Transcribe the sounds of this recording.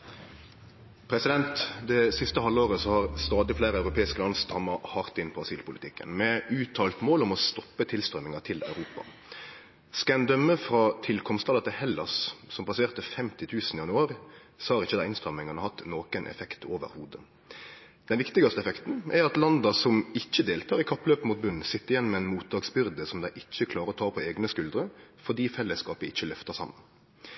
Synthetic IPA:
pʰɾɛsɪd̪ɛnt̪d̪ɛsɪst̪əɦɑlːoːʁəsɔhɑʁst̪ɑːd̪ɪfleːɾəɑʉɾʊpʰeːɪskəlɑnst̪ɾɑmːɑhɑʁt̪ɪnpʰɔɑsiːlpʊlɪt̪ɪkːə̰nmɛʉːt̪ʰɑːlt̪moːlɔmɔst̪ɔpːət̪ʰɪlst̪ʁœmɪŋɑt̪ʰɪlɑ̰ʉɾuːpɑ̰ | skɑæɪnd̪œmːəfɾɑt̪ʰɪlkʰɔmst̪ɑlɑt̪ɪhɛlːɑssɔmp̪ʰɑseːʁt̪əfɛmt̪ɪt̪ʰʉːsn̩ɪjɑnʉɑːɾɪsɔhɑɾʁɪçːəd̪æɪɪnst̪ʁœmːɪŋɑnəhɑt̪ːnoːkənʔɛ̰fɛkt̪ʰoːʋə̰ɾhuːd̪ə | d̪̥ɛnʋɪkt̪ɪɡɑst̪əɛfɛkt̪n̩ʔæʁɑt̪lɑnd̪ɑsɔmɪçːəd̪eːlt̪ʰɑːʁɪkʰɑpːløːpəmuːt̪̚bʉnn̩sɪt̪ːəɪjɛnːmɛɛːnmuːt̪̚d̪ɑːɡsbʏʁd̪əsɔmd̪æɪʔɪçːəkʰlɑːɾəɾɔt̪ʰɑːpʰɔeːɡnəskʉld̪ɾəfɔd̪iːfɛlːəskɑːpəɪçːəlœft̪ɑsɑ̰mːə̰n

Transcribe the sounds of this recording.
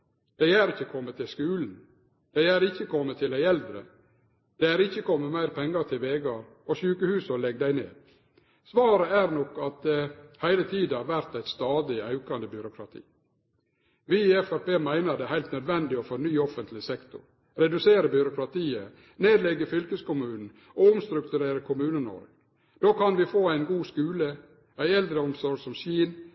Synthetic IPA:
d̪̥æɪæːɾɪçːəkʰɔmːət̪ʰːɪlskʉːln̩ | d̪̥æɪæːɾɪçəkʰɔmːət̪ʰːɪlæɪɛld̪ɾə̰ | d̪̥ɛæːɾɪçːəkʰɔmːəmæɪɾpʰɛŋːɑɾt̪ʰɪlʋeːɡɑɾ | ɔʃʉːkəhʉːsɔlɛɡd̪æɪnḛːd̪ | sʋɑːɾəæɾnɔkːɑt̪̚d̪ɛhæɪlət̪ʰiːd̪ɑɾʋæɾt̪æɪt̪st̪ɑːd̪ɪɑʉkɑnd̪əbʏɾʊkʰɾɑt̪ʰḭː | ʋɪɛfæɾpeːmæɪnəɾd̪ɛhæɪlt̪nœd̪ʋɛnd̪ɪɔfɔɾnyːɔfənt̪lɪsɛkt̪ʊ̰ɾ | ɾɛd̪ʉseːɾəbʏɾʊkɾɑt̪ʰiːə | neːd̪lɛɡːəfʏlkəskʊmʉːnn̩ | oʊmst̪ɾʉkt̪ʉɾeːɾəkʰʊmʉːnənɔ̰ɾɡ | d̪̥oːkʰɑnʋɪfoːæɪnɡuːskʉːlə | æɪɛld̪ɾəɔmsɔɾɡsɔmsiːn

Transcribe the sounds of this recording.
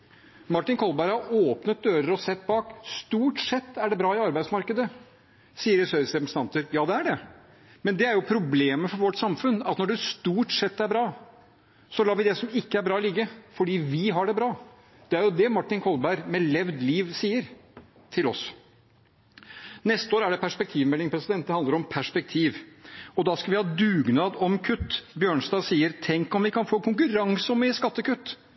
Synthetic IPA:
mɑʈːɪnkʰɔlbæɾhɑɾoːpnət̪̚d̪øːɾəɾɔsɛt̪ːbɑːkst̪uːʈsɛt̪ːæɖɛbɾɑːɪɑɾbæɪd̪smɑɾkəd̪ə | siːəɾəsøɾəsɛpɾəst̪ɑnt̪əɾjɑːd̪ɛæɖɛ | mɛnd̪ɛæɾjʊpʰɾʊbleːməfɔɾʋɔʈːsɑmfʉnɑt̪nɔɖɛst̪uːʈsɛt̪ːæɾbɾɑː | sɔlɑːʋɪd̪ɛsɔmɪkːəæɾbɾɑːɔlɪɡːəfɔɖiːʋɪɦɑɖɛbɾɑː | d̪̥ɛæɾjʊd̪ɛmɑʈːɪnkʰɔlbæɪɾmɛlɛʋd̪liːʋsiːəɾ | t̪ʰɪlɔ̰s | nɛst̪əoːɾæɖɛpʰæʂpɛk̚t̪ʰiːʋmɛlːɪŋpʰɾɛsɪd̪ɛnt̪̚ɛhɑnd̪əɾɔmpʰæʂpɛk̚t̪ʰiːʋɔd̪ɑskɑlʋɪhɑːd̪ʉːɡnɑːd̪ɔmkʰʉt̪ːbjøːɳsd̪ɑːsiːəɾt̪ʰɛŋkɔmʋɪkʰɑnfoːkʰʊŋkʉɾɑŋsɔmɛəskɑt̪ːəkʉt̪ː

